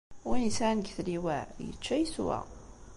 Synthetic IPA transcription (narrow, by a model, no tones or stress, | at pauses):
insænɡθliwæjə̰t͡ʃːæjəswæ̰